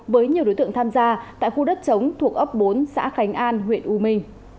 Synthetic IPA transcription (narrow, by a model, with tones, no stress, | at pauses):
vəː˨˦jɲi˨˩ɗo˨˦jt̪ɨ̰˧˨ə˨ŋt̪ʰaː˧mzaː˧t̪a̰ː˧˨jxu˧ɗə˦˥t̚t͡ɕə˨˦wŋ͡mt̪ʰu˨˩ək̚ʔə˦˥p̚ɓo˨˦nsa̰ː˧˥xa˨˦jŋ̟ʔaː˧nɦwḭ˧˨ənʔu˧mï˧ŋ̟